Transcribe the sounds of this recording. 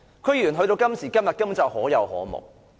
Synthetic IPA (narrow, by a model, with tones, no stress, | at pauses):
kʰɵ˨˧ɥɥyː˨˩nɦɵ˧ɥɾo˧wkɐ˥msiː˨˩kɐ˥mjɐ˨t̚kɐ˥mu˨˥nt͡sɐ˨˩w̚hɔː˨˥jɐ˨˧whɔ̰ː˨˥mʊ̰˨k̚